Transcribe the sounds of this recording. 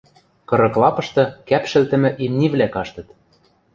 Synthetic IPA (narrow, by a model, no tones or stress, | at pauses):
kɤ̆ɾɤ̆klˠɑpɤ̆ʃt̪ɤ̆kæpʃɘ̆lt̪ɘ̆mɘ̆ʔimnʲiβlækɑʃt̪ɤ̆t̪